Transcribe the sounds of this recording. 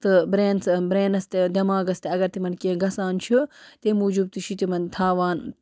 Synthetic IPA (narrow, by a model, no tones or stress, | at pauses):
t̪ɨbɾeːnsbɾeːnɐst̪ed̪ʲɐmaːɡɐst̪eɐɡɐɾt̪imɐnkẽːɡɐsaːnt͡ʃʰut̪emuːd͡ʒub̚t̪ɨʃʰit̪imɐnt̪ʰaːʋaːn